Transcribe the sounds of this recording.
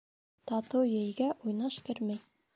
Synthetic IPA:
t̪ɑt̪ɤwjɘ̆jɡæʔujnɑʃkɘ̆ɾmæj

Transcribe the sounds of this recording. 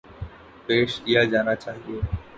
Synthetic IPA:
peːʃijad͡ʒaːnat͡ʃaːɦio

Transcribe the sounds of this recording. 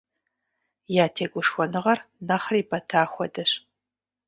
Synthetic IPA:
jaːtʰeːɡʷʊʂxʷɔnɨʁɐrnɐχriːpʰɐtʰaːxʷɔdɐɕ

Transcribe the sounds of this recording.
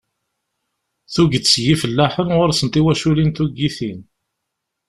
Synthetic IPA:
θuɡəd̪sʝifəlːæħənʁʊɾsənt̪iwæʃulinθuɡːiθin

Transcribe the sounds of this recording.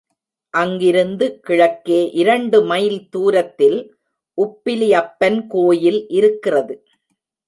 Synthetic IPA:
ʔɐŋɡɪɾɯnd̪ɯkɪɻɐkːeːʔɪɾɐɳɖɯmɐjlt̪uːɾɐt̪ːɪl | ʔʊpːɪlɪjɐpːɐnkoːjɪlʔɪɾɯkːɪrɐðɯ

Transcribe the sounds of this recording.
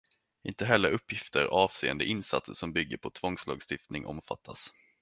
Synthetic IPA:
ʔɪnt̪əɦɛlːəɾɵpːjɪft̪ʰəɾʔɑːv̥seːɛ̰nd̪əʔɪnsa̰t̪səʂɔmbʏɡːəpʰɔt̪ʰvɔŋslɑːɡst̪ɪft̪nɪŋʔɔ̰mfa̰t̪ʰːas

